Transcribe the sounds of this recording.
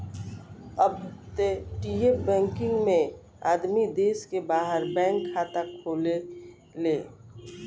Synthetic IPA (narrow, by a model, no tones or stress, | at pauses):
əbt̪eʈiepbɛ̃ːŋkɪ̃ŋɡmẽ | a̰ːd̪mid̪eːskebaːɦəɾbɛ̃ːŋkʰːaːt̪akʰoːle | leː